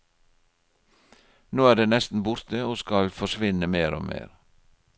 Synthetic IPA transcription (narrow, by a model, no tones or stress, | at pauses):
noːæːɖeːnɛst̪n̩bʊɾt̪əoːskɑlfɔʃʋɪnəmeːɾo̰ːmḛːɾ